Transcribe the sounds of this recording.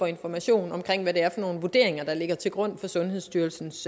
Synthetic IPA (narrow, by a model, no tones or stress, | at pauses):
ɒ̽e̝nfɒmæɕo̝̰ːn̩ɒ̽mkʰʁeŋ̰ʋæɾ̥e̝æɐfɒ̽no̝ːn̩ʋud̥e̝̰ɐeŋɐd̥ɑ̈le̝ɡ̥ɐt͡sʰe̝lɡ̥ʁɔ̽n̰fɒ̽sɔ̽nɦeðˠsd̥yɐlsn̩s